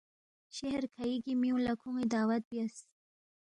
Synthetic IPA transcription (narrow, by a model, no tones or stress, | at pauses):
ʃehɾkʰaiɡimiũlakʰuŋid̪ɑːwat̪̚bjas